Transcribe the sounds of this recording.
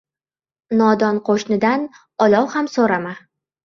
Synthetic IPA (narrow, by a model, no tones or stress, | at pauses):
nɒd̪ɒnqʰoʃnɪd̪an | ɒlɒwhamsoɾama